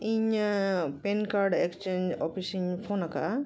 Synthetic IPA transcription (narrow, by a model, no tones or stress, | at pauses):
iɲ | penkaɾɖekst͡ʃeɲd͡ʒɔpʰisiɲpʰonaka̰